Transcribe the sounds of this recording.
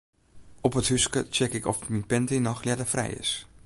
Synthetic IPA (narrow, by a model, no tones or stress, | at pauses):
ɔpətɦyskə̰t͡ʃɛkɪkɔfminpɛntinɔxlɛdəfrɛ̰jɪ̰s